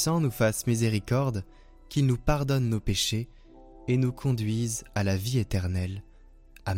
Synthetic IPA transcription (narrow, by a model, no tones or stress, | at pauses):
sɑ̃nufasmizeʁikɔʁd̪ | kʲilnupaʁd̪ɔnːopeʃe | enukʰɔ̃d̪ɥizalaviet̪ɛʁnɛl | a